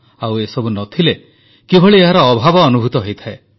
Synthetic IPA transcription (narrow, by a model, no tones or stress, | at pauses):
awesɔbunɔt̪ʰile | kibʱɔɭieɦaɾɔːbʱabɔːnubʱut̪ɔɦojt̪ʰae